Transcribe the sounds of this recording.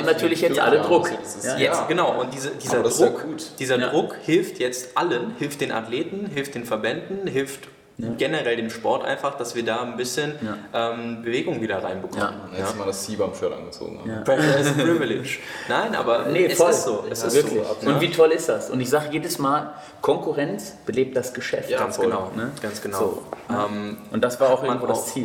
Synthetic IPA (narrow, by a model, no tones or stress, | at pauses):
ʊnatʰyːɐlɪçjɛʔa̰lədʁʊɛsɪsjɛɡ̥ənaʊʔʊnt̚d̥iːzəd̥iːzɐdkuːtd̥iːzɐdʁʊkhɪlftjɛt͡stʔalənhɪlft̚d̥eːnʔa̰tleːtn̩ɦɪlft̚d̥eːnfɛɐbɛndn̩ɦɪlft | ɡ̥ɛnəʁɛldeːmʃpɔɐtʔa̰ɪnfaχd̥asv̥iːɐdaːnbɪsçənʔɛːmbəveːɡʊŋviːdɐʁaɪnbəkʰɔmənjaːmaːdast͡siːbamfœɐtʔa̰nŋɡət͡so̰ːɡŋ̩ha̰søvɪlɪ̰t͡ʃ | naɪnʔa̰ːbɐnəfɔsz̥oːɛsɪsvɪɐzokːɪʊnv̥iːtʰɔlɪstd̥asʔʊ̰ntɪçz̥aːɡəjeːdəsmaːl | kʰɔŋkuʁɛnt͡s | b̥əleːp̚t̚d̥asɡ̥əʃɛ̰fɡ̥ansɡ̥ənaʊnəɡ̥ansɡ̥ənazʊo̰ːʔɛːmʔʊnt̚d̥asv̥aːɐaʊxʔɡ̩nvoːʊst͡siː